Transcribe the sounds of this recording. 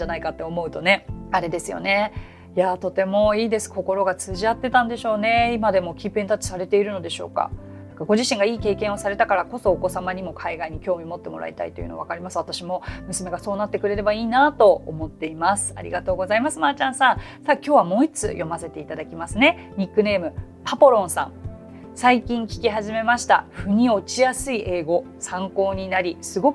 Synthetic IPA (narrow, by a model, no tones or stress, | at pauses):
anaikat̪ːe̞omo̞ɯ̟t̪o̞ne̞aɾe̞d̪e̞sɨjo̞̰ne̞ | jat̪o̞t̪e̞mo̞iːd̪e̞sɨ̥ko̞ko̞ɾo̞ɡat͡sɨʑiat̪ːe̞t̪ãnd̪e̞ɕo̞ːne̞imad̪e̞mo̞kʲipent̪at͡ɕi̥saɾe̞t̪e̞iɾɯ̟no̞d̪e̞ɕo̞̰ːka̰ | akaɡo̞ʑiɕĩŋɡaiːke̞ːkẽɰ̃o̞saɾe̞t̪akaɾako̞so̞ːko̞samaɲ̟imo̞kʰaiɡaiɲ̟ikʲo̞ːmʲiomo̞t̪ːe̞mo̞ɾʔa̰ḭt̪a̰it̪o̞jɯ̟no̞̰βakaɾʲimasɨβat̪aɕimo̞mɯ̟sɨme̞ɡaso̞ːnat̪ːe̞kɯ̟ɾe̞ɾe̞baiːnat̪o̞̰ːmo̞t̪ːe̞imasɨ̥a̰ɾʲḭɡat̪oːɡo̞zaimasɨmat͡ɕãɰ̃sãɰ̃saːkʲo̞ːβamo̞ːit͡sɨ̰jo̞mase̞t̪e̞it̪ad̪akʲimasɨne̞ | ɲ̟ikːɯ̟ne̞ːmɯ̟ | papo̞ɾõ̞sã̰ŋ | saikʲĩŋkʲi̥kʲiɦaʑime̞maɕi̥t̪a̰ɸɯ̟ɲ̟io̞t͡ɕijasɨiʔe̞ːɡo̞ | sãŋko̞ːɲ̟inaɾʲisɨɡo̞kɯ̥